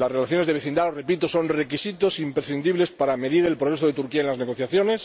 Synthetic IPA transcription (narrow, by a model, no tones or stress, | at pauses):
lasre̞laθjo̞ne̞zðeβeθind̪aore̞pit̪oso̞nre̞kisit̪o̞simpɾesθind̪iβle̞spaɾame̞ðiɾe̞lpɾoɾe̞soð̞e̞t̪uɾkiaenlazne̞ɣ̞o̞θjaθjo̞ne̞s